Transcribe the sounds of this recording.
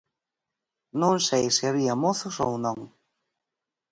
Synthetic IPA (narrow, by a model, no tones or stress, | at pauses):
nõŋsejsɪaβiɐmoθʊsownõŋ